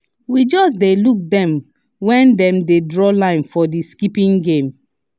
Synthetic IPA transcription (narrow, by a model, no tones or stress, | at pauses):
wid͡ʒɔsdeluk̚dɛ̃m | wɛ̃ndɛ̃mdedɹɔlãɪ̃nfɔdiskipĩŋɡẽm